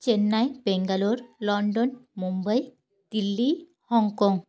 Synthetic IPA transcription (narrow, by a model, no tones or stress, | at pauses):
t͡ɕenːajbeŋɡaloɾlɔɳɖɔnmumbəj | d̪̥ilːi | hɔŋɡkɔŋɡ